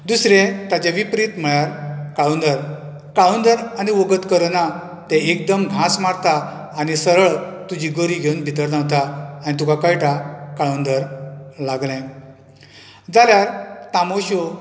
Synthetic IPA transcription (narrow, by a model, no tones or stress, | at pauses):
d̪usɾẽt̪at͡ɕaʋipɾit̪m̤əɭjaɾkaɭund̪əɾ | kaɭund̪əɾaniʋoɡət̪kəɾna | t̪ɛ̃ek̚d̪əmɡʱãsmaɾt̪aː | nisəɾəɭt̪ud͡ʑiɡəɾiɡʱeunbʱit̪əɾnaʋt̪aanit̪ukakajʈakaɭund̪əɾlaɡlɛ̃ | d͡zaljaɾt̪amoɕo